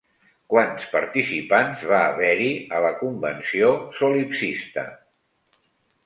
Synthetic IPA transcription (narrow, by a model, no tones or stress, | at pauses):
kwanspəɾt̪isipanzβaːβɛɾiələkumbənsiosolipsist̪ə̰